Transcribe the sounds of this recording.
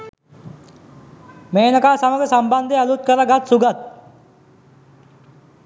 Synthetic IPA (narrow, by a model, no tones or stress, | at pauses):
meːnəkaːsaməɡəsamband̪ealut̪̚kəɾaɡat̪suɡat̪̚